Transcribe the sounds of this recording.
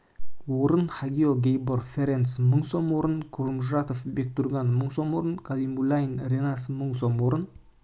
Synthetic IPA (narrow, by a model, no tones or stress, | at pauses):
woɾənχaɡʲijoɡʲejborfʲeɾensməɴso̞mwoɾənkʰuɾmʒat̪ofbek̚t̪uɾɡɑnməɴso̞mwoɾənkʰalimbulˠajnrʲenasəməɴso̞mwoɾən